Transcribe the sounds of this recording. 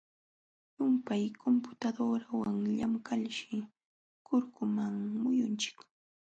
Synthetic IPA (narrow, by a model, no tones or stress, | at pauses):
jʊmpajkʰompʊ̥t̪ad̪oɾawaŋʎamkaʎʃɪ | kʊɾkʊmaŋmʊjʊnt͡ʃɪ̥k